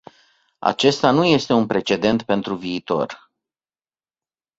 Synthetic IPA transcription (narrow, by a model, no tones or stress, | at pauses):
a̰t͡ʃe̞st̪anuje̞st̪e̞unpɾe̞t͡ʃe̞d̪e̞nt̪pe̞nt̪ɾuviːt̪o̞̰r